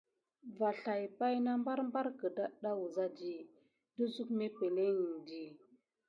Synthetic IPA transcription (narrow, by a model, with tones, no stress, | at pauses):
va˨ɬa˨jpa˦jna˦mba˦ɾmba˦ɾkə˨da˦ɗa˦wu˨za˦di˦ | də˦zu˦kme˦pe˨le˦ɲi˨ndi˨